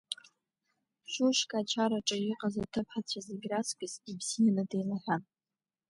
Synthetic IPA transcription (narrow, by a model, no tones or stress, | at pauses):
ʃʷuʃkʼat͡ʃʰaɾaʈ͡ʂʼajɪqʼazatʰɨpʰħat͡ɕʷʰazeɡʲraskʷʼɪzibzijanɨdejlaħʷᶣan